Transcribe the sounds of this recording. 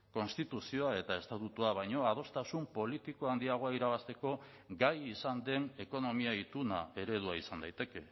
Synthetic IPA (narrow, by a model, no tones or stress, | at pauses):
ko̞nst̪it̪usio̞ae̞t̪ae̞st̪at̪ut̪uaβ̞ajɲo̞að̞o̞st̪asumpo̞lit̪iko̞and̪iaɣ̞o̞aiɾaβ̞ast̪e̞ko̞ | ɡajisand̪e̞ne̞ko̞no̞miait̪unae̞ɾe̞ðuaisand̪ajt̪e̞ke̞